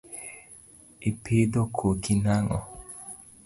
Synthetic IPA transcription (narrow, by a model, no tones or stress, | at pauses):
ipʰid̪okʰokinaŋɔ̰